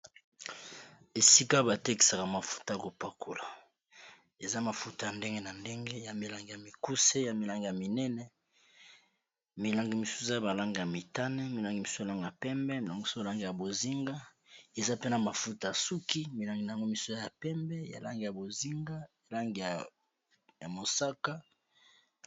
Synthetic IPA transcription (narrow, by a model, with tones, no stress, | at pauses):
e˨si˦ka˦ba˨te˦ki̥˨sa˨ka˨ma˨fu̥˦ta˨˦ja˨ko˨pa˨kʰo˨la˨ | e˨za˦ma˨fu˦ta˨ja˨nde˦ŋɡe˦na˨nde˦ŋɡe˦ja˨mi˨la˨ŋɡi˨ja˨mi˨ku˦se˦ja˨mi˨la˦ŋɡi˨ja˨mi˨nɛ˦nɛ˦ | mi˨la˨ŋɡi˨mi˨su̥˦e˦˨za˦ba˨la˦ŋɡi˨ja˨mi˨ta˦nɛ˦mi˨la˦ŋɡi˨mi˨sa˨la˦ŋɡa˨pɛ˦mbɛ˦mi˨la˨ŋɡi˨so˦a˨la˦ŋɡi˨ja˨bo˨zi˦ŋɡa˦ | e˨za˦pe˦na˨ma˨fu˦ta˨ja˨su˦ki˦mi˨la˨ŋɡi˨na˨ja˨ŋɡo˦mi˨su˦ja˦ja˨pɛ˦mbɛ˦ja̰˨la˦ŋɡi˨ja˨bo˨zi˦ŋɡa˦a˨la˦ŋɡi˨ja˨ | ja˨mo˨sa˦ka˦